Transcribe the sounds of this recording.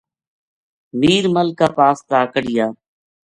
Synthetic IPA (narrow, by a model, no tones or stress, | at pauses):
miːɾməlkaːpaːst̪aːkəɽɪjaː